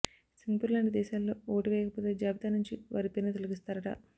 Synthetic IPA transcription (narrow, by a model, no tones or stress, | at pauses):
siŋɡpuɾlaːɳɖd̪ɛːʃaːlːo̞ːoːʈiʋɛːjɐkɐput̪oːd͡ʒaːbit̪aːnːuɲt͡ʃiʋa̰ːɾipinɐt̪oluɡist̪aːɾɐʈɐ̰